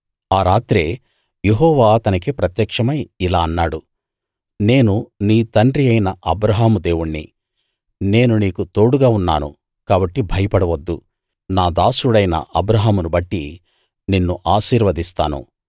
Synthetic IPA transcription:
aːɾaːt̪ɾeː | jeɦɔːʋaːɐt̪ɐnik̬ipɾɐt̪jɐkʂɐmɐjilaːɐnːaːɽu | ne̞ːnuniːt̪ɐɳɖɾiɐjnɐʔɐbɾɐɦaːmud̪e̞ːwuɳːḭ | ne̞ːnuniːkut̪o̞ːɽuɡaːunːa̰ːnṵ | kaːbɐʈːibʱɐjɐpɐɽɐʋɐd̪ːu | naːd̪aːsuɽɐjnɐ̰ʔɐbɾɐɦaːmunubɐʈːi | ninːuʔaːʃiːɾʋɐd̪ist̪aːnṵ

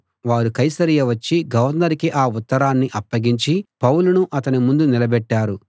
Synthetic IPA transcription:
ʋaːɾukɐjsɐɾijɐʋɐt͡ʃːiɡɐʋɐɾnːɐɾikiʔaːut̪ːɐɾaːnːiʔɐpːɐɡiɲt͡ʃipɐwulunuʔɐt̪ɐnimund̪unilɐbɛʈːaːɾu

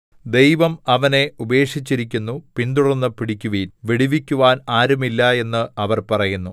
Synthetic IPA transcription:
d̪e̞jʋɐmɐʋɐne̞ube̞ːʂit͡ɕːiɾikʲːunːupind̪urɐnːɨpiɽikʲːuʋiːnʋiɽiʋikʲːuʋaːnaːɾumilːɐe̞nːɨɐʋɐrpɐrɐjunːu

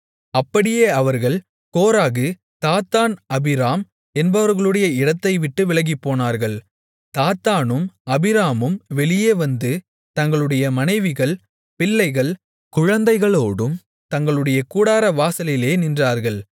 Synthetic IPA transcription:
ɐpːɐɽɪjeːɐʋɐɾɣɐɭ | koːɾaːɣɯ | t̪aːt̪ːaːnɐbɪɾaːm | ɛnbɐʋɐɾɣɐɭɯɽɐjɐɪɽɐt̪ːɐɪʋɪʈːɯʋɪlɐɣɡɪpːoːnaːɾɣɐɭ | t̪aːt̪aːnɯmɐbɪɾaːmɯmʋɛɭɪjeːʋɐnd̪ɯ | t̪ɐŋɡɐɭɯɽɐjɐmɐnɐɪʋɪɣɐɭ | pɪlːɐɪɣɐɭ | kʊɻɐnd̪ɐɪɣɐɭoːɽɯm | t̪ɐŋɡɐɭɯɽɐjɐkuːɽaːɾɐʋaːsɐlɪjleːnɪndraːɾɣɐɭ

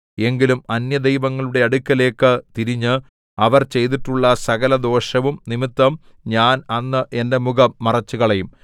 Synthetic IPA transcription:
e̞ŋɡilumɐnjɐd̪ejʋɐŋːɐɭuɽe̞ɐɽukʲːɐle̞ːkːɨt̪iɾiɲːɨ | ɐʋɐrt͡ɕe̞jt̪̬iʈːuɭːɐsɐɣɐlɐd̪o̞ːʂɐʋumnimit̪ːɐm | ɲaːnɐnːɨʔe̞nde̞muɡɐːɐrɐt͡ɕːuɣɐɭejum

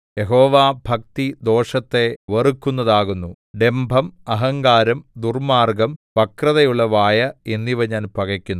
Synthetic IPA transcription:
je̞ɦo̞ːʋaːbʱɐk̚t̪id̪o̞ːʂɐt̪ːe̞ʋɐrukːunːɐðaːɣunːu | ɖe̞mbʱɐmɐɦɐŋɡaːɾɐmd̪urmaːrɡɐmpɐkrɐðɐjuɭːɐʋaːjɐe̞nːiʋɐɲaːnpɐɣɐkʲːunː

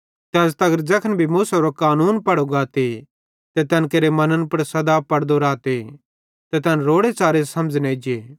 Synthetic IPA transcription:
t̪ɛɐst̪ɐɡəɾd͡ʒɐkʰənbʱimuːsɐɾokaːnuːnpɐɽoɡaːt̪e | t̪ɛt̪ɐnkeːɾemɐnənpɐɾsɐd̪apɐɽd̪oɾaːt̪e | t̪ɛt̪ɐnɾoːɽet͡ʃaːɾesɐmd͡ʒneːd͡ʒeː

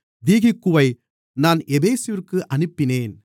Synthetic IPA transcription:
d̪iːɣɪkːɯʋɐɪ | naːnʔɛbeːsɪʋɪrkɯʔɐnɯpːɪneːn

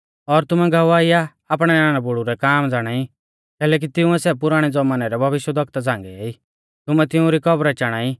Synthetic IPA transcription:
ɔɾt̪ʊmɛɡʱɐʋaːija | aːpɽ̃ɛnaːñabʊɽuɾɛkaːmd͡zaːɽ̃aːi | kɛːlɛːk̬it̪ɪʊ̃ɛsɛp̬ʊɾaːɽ̃ɛd͡zɔmanɛɾɛbʱɐʋɪʃjəd̪ɐkt̪ad͡zãːŋɡɛeːi | t̪ʊmɛt̪ɪʊ̃ɾikɔbɾɛt͡ʃaɽ̃aːi

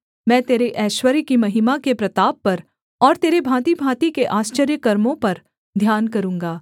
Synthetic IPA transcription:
mɛ̃ːt̪eːɾeʔɛːʃwəɾikimɐɦimakepɾɐt̪aːbːɐɾ | ɔːɾt̪eːɾebʱãːt̪ibʱãːt̪ikeʔaːst͡ʃəɾjəkɐɾmõpɐɾ | d̪ʱjaːnkɐɾũːŋɡaː

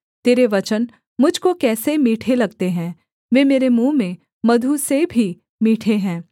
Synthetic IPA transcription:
t̪eːɾeʋɐt͡ʃən | mʊd͡ʒʱkokɛːsemiːʈʰelɐɡt̪eɦɛ̃ː | ʋeːmeːɾemũːmẽ | mɐd̪ʱusebʱi | miːʈʰeɦɛ̃ː

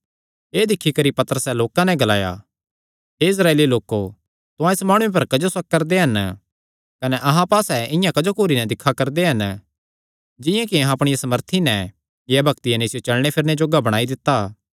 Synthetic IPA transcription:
eːd̪ɪkʰːikɐɾipɐt̪əɾəsɛloːkãnɛ̃ɡɐlaːja̰ | ɦeɪs̬ɾaːeːliloːkːo | t̪ʊ̃ãɪsmaːɽ̃ũep̬ɐɾkɐd͡ʒosɐk̚kːɐɾd̪eɦɐn | kɐnɛʔɐɦãpaːsɛɪjãkɐd͡ʒokoːɾinɛd̪ɪkʰːakɐɾd̪eɦɐn | d͡ʒɪ̃jãkiɐɦãɐpɽ̃ɪjasɐməɾt̪ʰinɛ | jɛbʱɐk̚t̪ɪjanɛɪsjot͡ʃɐlɽ̃epʰɪɾned͡ʒoːɡabɐɽ̃aːid̪ɪt̪ːaː

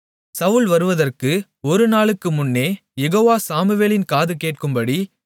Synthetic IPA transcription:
sɐʋʊɭʋɐɾɯʋɐðɐrkɯ | ɔɾɯnaːɭɯkːɯmʊnːeː | jɛɣoːʋaːsaːmɯʋeːlɪnkaːðɯkeːʈ̚kɯmbɐɽi

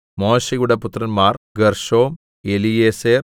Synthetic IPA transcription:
mo̞ːɕeɣuɽɐput̪ːrɐnmaːrɡɐrʂo̞ːm | elijeːseːr

